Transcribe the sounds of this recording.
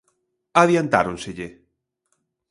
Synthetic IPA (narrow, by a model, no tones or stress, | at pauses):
aðjant̪a̰ɾonseʎe